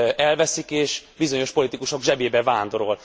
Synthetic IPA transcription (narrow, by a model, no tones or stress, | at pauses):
ɛlvɛsikeːʃbizo̞ɲo̞ʃpo̞lit̪ikuʃo̞ɡʒɛbeːbɛvaːnd̪o̞ɾo̞l